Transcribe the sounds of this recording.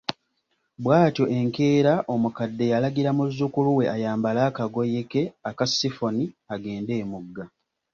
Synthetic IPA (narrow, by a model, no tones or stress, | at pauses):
bwaːto̞ʔe̞ŋkeːɾaʔo̞mukadːe̞jalaɡiɾamuzːukuluwe̞ʔajaːmbalaːkaɡo̞jeke̞akasːifo̞niaɡe̞ːnde̞ːmuɡːa